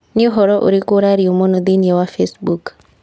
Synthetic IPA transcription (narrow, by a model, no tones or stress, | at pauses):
nɪoɦɔɾɔʔo̰ɾikʊɾaɾiomɔnod̪iniewafesbuk